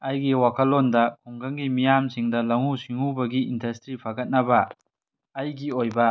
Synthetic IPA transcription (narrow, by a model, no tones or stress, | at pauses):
ɐjɡiwakʰɐlːondɐkʰuŋkʰɐŋɡimijamsiŋdɐlɐŋusiŋubɐɡiindɐstɾipʰɐɡɐt̚nɐbɐː | jɡiojbɐ